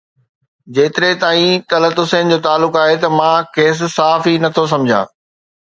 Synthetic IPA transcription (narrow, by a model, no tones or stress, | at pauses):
d͡ʑeːt̪ɪɾet̪aːĩt̪ɐlət̪ʊseːnd͡ʑoːt̪aːlːʊkaːɦet̪ɐmãkeːs̬ɪ̆saːfinɐt̪ʰos̬ɐ̃md͡ʑʱã̰ː